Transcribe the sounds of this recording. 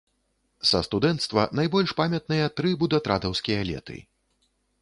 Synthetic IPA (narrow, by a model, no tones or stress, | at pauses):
sɐ̰st̪ud̪ɛnt̪st̪vɐ̰najbɔlʲʂpamʲɐt̪̚nɨjɐt̪ɾɨbud̪ɐt̪ɾad̪ɐwskʲijɐlʲɛ̰t̪ɨ̰